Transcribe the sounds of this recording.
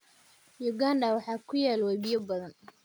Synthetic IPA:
jʊɡaːnɖɐwɑħɑːkʰʊjaːlwɛβɪjɐbɐðɐn

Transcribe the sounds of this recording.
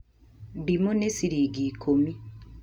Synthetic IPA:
dimonesiɾiɡiːkʰomi

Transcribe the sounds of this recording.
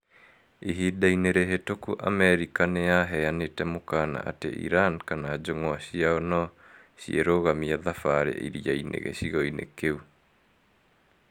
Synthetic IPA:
iɦidaineɾeɦetokuʔa̰mɛɾikanejaɦɛanetɛmokaːna̰ʔa̰tḛʔḭɾankanaːd͡ʒoŋɔaɕiaɔnɔ | ɕieɾoːɣamiaðafaɾḛʔḭɾiainʔḛɣḛɕiɣɔinḛkeu

